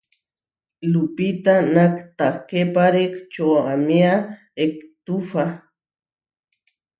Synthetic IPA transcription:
lupit̪anakt̪akepaɾekt͡ʃoamia | ekt̪ufa

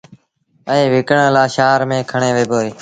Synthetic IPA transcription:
əẽːʋɪkəɳəlaːʃaːɾmẽːkʰəɳẽːʋeːboːeː

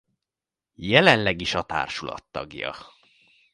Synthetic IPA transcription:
jɛlɛnlɛɡiʃɒt̪a̰ːrʃulɒ̰t̪ːɒɡjɒ̰

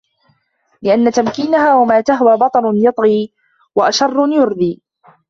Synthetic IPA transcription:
lɪʔanːat̪amkiːnahaːwamaːt̪aɦwaːbɑt̪ˤɑnʊnjɑt̪ˤɣiː | waʔaʃɑrˤːʊnjʊɾd̪iː

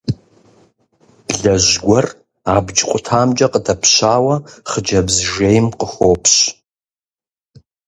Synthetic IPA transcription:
b̥ɮɐʒɡʷɔr | aːbd͡ʒqʷʼʊtʰaːmd͡ʒɐqədʰɐpʰɕaːwɐχəd͡ʒɐbzʒejmqəxoːpʰɕ

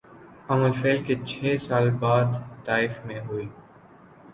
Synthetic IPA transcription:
ɐməlfeːlket͡ʃʰɛːsaːlbaːd̪t̪aːɪfmẽɦuiː

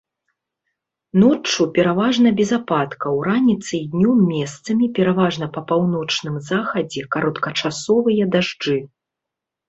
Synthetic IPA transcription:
nɔt͡ʂːupʲɛɾavaʐn̪ɐbʲɛzapat̪kɐwɾanʲit̪sɨjd̪nʲɔmːʲɛst̪sɐmʲipʲɛɾavaʐnɐpɐpawnɔt͡ʂnɨmzaxɐd͡zʲɛkaɾɐt̪kɐt͡ʂasɔvɨjɐd̪aʐd͡ʐɨ

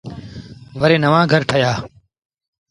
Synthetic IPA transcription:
ʋəɾeːnəʋãːɡʱəɾʈʰəjaː

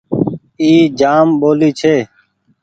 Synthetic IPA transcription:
iːd͡ʒaːmɓoːliːt͡ʃʰeː

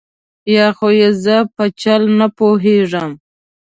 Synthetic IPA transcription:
jɑxojezəpət͡ʃalnapoɦeʐəm

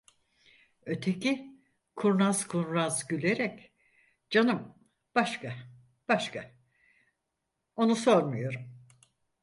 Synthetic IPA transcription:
ø̞t̪ʰe̞ci | kʰuɾnazkʰunɾazɟylʲeɾɛc | d͡ʒanɯm | b̥aʃka | b̥aʃka | o̞nuso̞ɾmujo̞ɾum

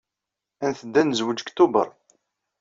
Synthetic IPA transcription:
ænθəd̪ːænəzwəd͡ʒkt̪ːubə̰ɾˤ

